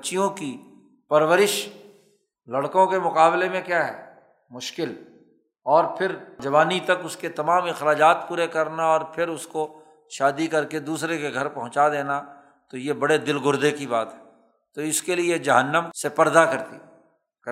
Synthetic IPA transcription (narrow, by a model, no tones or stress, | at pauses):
t͡ʃijõki | pɐɾwəɾɪʃ | lɐɽkõkemʊqaːblemẽkjaːɦɛː | mʊʃkɪl | ɔːɾpʰɪɾd͡ʒɐʋaːnit̪ɐkʊsket̪ɐmaːmɪxɾaːd͡ʒaːt̪puːɾekɐɾnaɔːɾpʰɪɾʊsko | ʃaːd̪ikɐɾked̪uːsɾekeɡʱɐɾpɐɦʊ̃t͡ʃad̪eːna | t̪ojebɐɽed̪ɪlɡʊɾd̪ekibaːt̪ɦɛ | t̪oɪskelied͡ʒɐɦənːəmsepɐɾd̪akɐɾt̪ḭ